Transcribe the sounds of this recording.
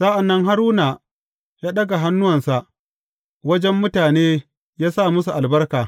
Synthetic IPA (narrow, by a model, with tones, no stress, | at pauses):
sa˦ʔa˨nːɐ˦ŋɦa˦ɾuː˦na˨ | jaː˦ɗɐ˦ɡa˨ɦa˦nːʊ˦wɐ˨nsa˨ʔ | wɐ˦d͡ʒɛ˦mːʊ˦taː˨neː˦ | jaː˦saː˦˨mʊ˦su˨ʔa˨lbɐ˦rkaː˨